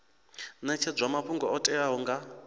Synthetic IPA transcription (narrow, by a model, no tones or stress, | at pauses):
nɛt͡ʃʰɛd͡zwamaɸʰuŋɡɔɔtʼɛaɦɔŋɡa